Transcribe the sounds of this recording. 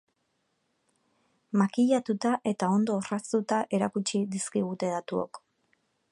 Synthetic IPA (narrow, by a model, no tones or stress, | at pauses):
makiʎat̪ut̪aʔe̞t̪ao̞nd̪o̞ːrasut̪aʔe̞ɾakut͡ʃid̪iskiɣ̞ut̪e̞ðat̪uo̞̰k